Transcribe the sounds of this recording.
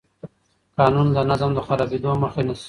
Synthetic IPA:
kɑnund̪ənazamd̪əxaɾɑbed̪oməxenas

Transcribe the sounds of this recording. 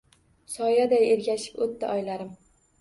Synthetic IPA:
sɒjad̪ajeɾɡʲaʃɪ̥pot̪ʰːa̰ʔɒjlaɾɪm

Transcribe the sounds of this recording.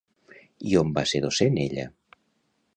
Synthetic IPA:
iombaseɾðoseneʎə̰

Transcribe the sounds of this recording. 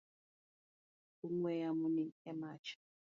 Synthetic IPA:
uŋwɛjamuniɛmat͡ʃḁ

